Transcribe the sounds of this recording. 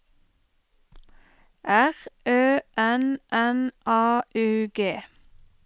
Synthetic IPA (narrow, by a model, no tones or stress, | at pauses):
ʔæʁʔøːʔɛnʔɛnʔɑːʔʉːɡeː